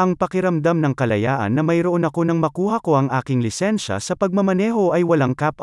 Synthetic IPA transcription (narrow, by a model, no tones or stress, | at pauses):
ʔɐŋpɐkɪɾɐmd̪amnɐŋkɐlɐjaːʔɐ̰nːɐmɐjɾoʔo̞nɐko̞nɐŋmɐkuːhɐko̞ʔɐŋʔaːkɪŋlɪsɛnʃɐ̰sɐpɐɡ̚mɐmɐnɛːɦo̞ʔɐjwɐlaŋkap̚ʔ